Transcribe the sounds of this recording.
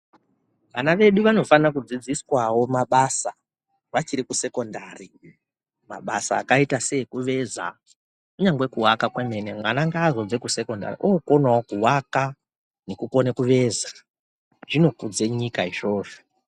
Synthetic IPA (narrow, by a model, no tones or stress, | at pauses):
ʋanaʋe̞ɗuʋano̞fanak̬ud͡zid͡ziswawo̞maɓasa | ʋat͡ʃiɾikuse̞ko̞ndaːri | ma̰ɓasa̰ːkaitase̞ikuʋe̞za̰ | kuɲaŋɡwe̞kuwakakweme̞nemwanaŋɡaːzo̞d͡zekuse̞ko̞nda̰rḭʔoko̞nwawokuwaka | ne̞kuko̞nekuʋe̞za | ʐ̥ino̞kud͡zeɲikaiʐo̞ːʐo̥